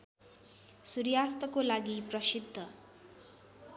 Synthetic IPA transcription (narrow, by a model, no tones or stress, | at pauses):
suɾjast̪ʌkolaɡiprʌsid̪ʱːʌ